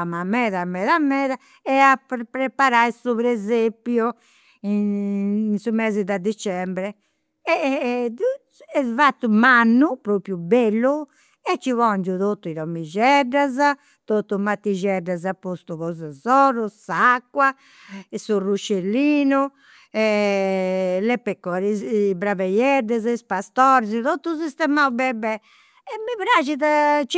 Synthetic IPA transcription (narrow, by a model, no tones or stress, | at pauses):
amamɛðamɛːðamːɛːða | ɛapːɾɛpaɾajsuβɾɛzepju | i | nsumɛːzid̪ad̪it͡ʃɛmbɾɛ | ɛ | ɛvat̪ːumanːupɾopɾjubelːu | ɛt͡ʃːivɔnd͡ʒut̪ot̪ːuiɾɔmːid͡ʒɛɖaza | t̪ot̪ːumat̪ːiʒɛɖazapːost̪uɣɔzazɔɾusakːwa | ɛsurut͡ʃːelːiːnu | ɛ | lɛpːɛkːɔɾibɾavɛjɛɾd̪ɛzispast̪ɔɾzit̪ot̪ːusist̪ɛmaubɛbɛ | ɛmiβɾad͡ʒiðat͡ʃ